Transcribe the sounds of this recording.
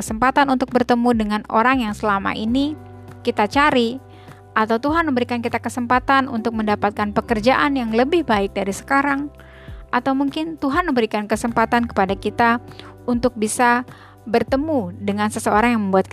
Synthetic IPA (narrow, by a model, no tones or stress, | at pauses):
əsəmpat̪anunt̪ʊk̚bərt̪əmudəŋano̰ɾaŋjaŋsəlama̰ʔini | kit̪at͡ʃaɾi | ʔat̪awt̪uɦanməmbəɾikankit̪akəsəmpat̪anṵnt̪ʊk̚məndapat̪̚kanpəkərd͡ʒaʔanjaŋləbɪhbaɪk̚daɾisə̥kaɾaŋ | ʔat̪awmuŋkɪnt̪uɦanməmbəɾikankəsəmpat̪ankə̥padakit̪a | unt̪ʊk̚bisa | bərt̪əmudəŋansəsəoɾaŋjaŋməmbuat̪̚